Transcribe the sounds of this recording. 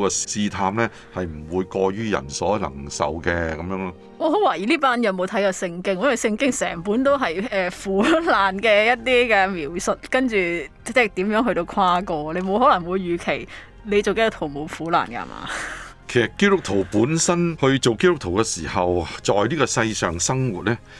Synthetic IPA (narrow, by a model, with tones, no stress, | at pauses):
kɛ˧siː˧t̪ʰaː˧mlɛː˥ | hɐ˨jm̩˨˩wuː˨˧jkɔː˧ɥyː˥jɐ̰˨˩nsɔː˨˥lɐ̰˨˩ŋsɐ̰˨wkɛː˧kɐ˨˦mjœː˧˥ŋlɔː˥ | ŋɔː˨˧ɦo˨˥waː˨˩jiː˨˩liː˥paː˥njɐ˨˧wmo˨˧wt̪ʰɐ˨˥jkɔː˧sɪ˧ŋkɪ˥ŋ˦˥wɐ˨jsɪ˧ŋkɪ˥ŋsɛ̰ː˨˩ŋpuː˨˥nt̪̬o˥wɦɐ˨jɛː˨fuː˨˥laː˨˩nkɛː˧jɐ˥t̚t̪iː˥kɛː˧miː˨wsʊ˨t̚kɐ˥nt͡ʃyː˨ | t͡sɛ˥˨t̪iː˨˥mjœː˨˥ŋɦɵ˧t̪o˧wkʰaː˧˥kɔː˧le˨˧jmo˨˧wɦɔː˨˥lɐ˨˩ŋwu˨˧jːyː˨˩kʰe˨˩j | le˨˧jt͡so˨wke˥jʊ˥t̪ʰo˨˩mo˨˧wfuː˨˥la̰ː˨˩nkɐ̰˧˨mʔa̰ː˨˩kʰe˨˩jsɐ˨t̚kːeː˥tʊ˥k̚t̪ʰo˨˩wpuː˨˥nsɐ˥nhɵ˧ɥt͡so˨wke˥tʊ˥kt̪ʰo˨˩wkɛ˧siː˨˩hɐ˨wt͡ʃɔː˨jniː˥kɔː˧sɐ˧jsœː˨ŋsɐ˥ŋwuː˨t̚ɛː˥